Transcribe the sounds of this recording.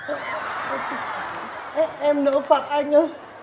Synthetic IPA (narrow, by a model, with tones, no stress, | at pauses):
ʔɛ˦ʔɛ˧mnə̰ː˧˥fa˨˩t̚ʔa˧jŋ̟ə˧